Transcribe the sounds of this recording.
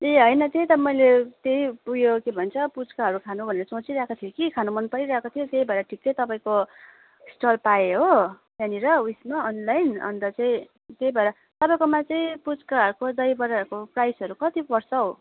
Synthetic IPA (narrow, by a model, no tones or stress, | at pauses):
eɦʌjnʌt̪ejt̪ʌmʌjlet̪eipuɡjokebʱʌnt͡sʰʌput͡skaɦʌɾukʰanubʱʌneɾʌt͡sõt͡siɾakat̪ʰijokikʰanumʌnpʌɾiɾaekot̪ʰijot̪ejbʱʌeɾʌʈʰik̚t͡sʌt̪ʌpaĩko | sʈʌlpaeɦo | jjaniɾʌujsmaʌnlajnʌ̰nt̪ʌt͡saĩ | t̪ejbʱʌeɾʌ | t̪ʌpaĩkomat͡saĩput͡skaɦʌɾukod̪ʌjbʌɾakoprajsɦʌɾukʌt̪ibʌrsʌɦo